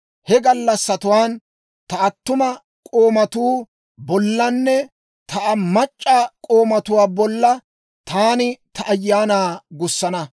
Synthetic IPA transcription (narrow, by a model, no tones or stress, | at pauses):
hɛɡɐlːɐsːɐt̪ʊwaːn | t̪ɐɐt̪ːʊmɐ | kʼoːmɐt̪uː | bɔlːɐnːɛ | t̪ɐʔɐmɐt͡ʃʼːakʼo̞ːmɐt̪ʊwaːbɔlːɐ | t̪aːnɪt̪ʰɐʔːjːaːnaːɡʊsːɐnɐ